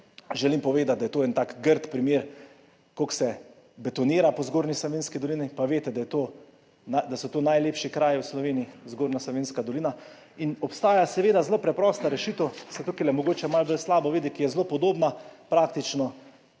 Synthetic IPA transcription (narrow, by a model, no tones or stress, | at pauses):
ʒɛlimpɔʋeːd̪at̪̚d̪ajɛt̪oːɛːnt̪aːkɡəɾt̪pɾimjeːɾ | koksɛ | bɛt̪ɔniːɾapɔzɡoːɾnislɔʋenskid̪ɔlinipaʋeːt̪ɛd̪ajɛt̪oː | nad̪asɔt̪oːnajleːpʃikɾaːjiwslɔʋeːniizɡoːɾnaslɔʋeːnskad̪ɔliːna | inɔpst̪aːjasɛʋeːd̪azloːpɾɛpɾɔːst̪aɾɛʃit̪əwsɛt̪ukilɛmɔɡoːt͡ʃɛmalbəlslaːbɔʋeːd̪ikijɛzloːpɔd̪oːbnapɾaːk̚t̪it͡ʃnɔ